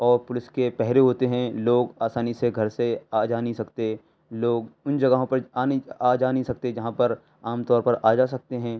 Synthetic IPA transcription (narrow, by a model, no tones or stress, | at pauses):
ɔːɾpʊlɪskepɛɦɾeɦoːt̪eɦɛ̃loːɡaːsaːniseɡʱɐɾseaːd͡ʒaːnisɐkt̪e | loːɡʊnd͡ʒɐɡaɦõpɐɾaːniaːd͡ʒaːnisɐk̚t̪ed͡ʒɐɦãpɐɾ | aːmt̪ɔːɾpɐɾʔaːd͡ʒaːs̬ɐk̚t̪eɦɛ̃ː